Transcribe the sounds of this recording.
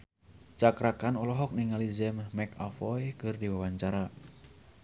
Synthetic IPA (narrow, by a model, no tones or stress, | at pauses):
t͡ʃakɾakanɔlɔɦɔk̚nɪŋalizɛmmɛka̰fɔjkɨrdiwawaɲt͡ʃaɾa